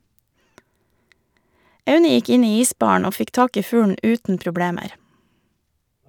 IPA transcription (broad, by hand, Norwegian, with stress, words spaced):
ˈɑʉnə ˈjɪk ˈɪn ˈiː ˈiːˌsbɑːɳ̩ ˈoː ˈfɪk ˈtɑːk ˈiː ˈfʉːɳ̩ ˈʔʉːtn̩ pɾʊˈbɽeːməɾ